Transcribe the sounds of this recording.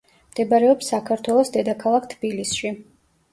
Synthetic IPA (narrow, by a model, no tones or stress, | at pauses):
md̪ɛbaɾɛɔpsːakʰaɾt̪ʰwɛlˠɔsd̪ɛd̪akʰalˠakʰt̪ʰbilisʃi